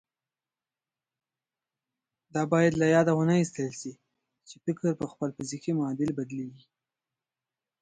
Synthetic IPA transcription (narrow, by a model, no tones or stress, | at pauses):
d̪ɑbɑjad̪lajɑd̪awənaist̪əlʃi | t͡ʃefɪkəɾpəxpəlfɪzikimʊɑd̪ɪlbad̪lewi